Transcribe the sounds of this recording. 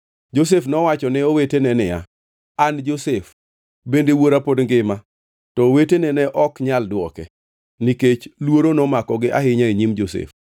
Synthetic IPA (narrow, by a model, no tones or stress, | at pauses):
d͡ʒos̬efnɔwat͡ʃɔnɪowetenɛnɪja̰ | and͡ʒosef | bendewoɾapodŋɡɪma | tɔwetenɛnɛʔɔkɲaldwɔkɛ̰ | niket͡ʃlwoɾonɔmakɔɡɪʔaɦɪɲaiɲimd͡ʒosḛf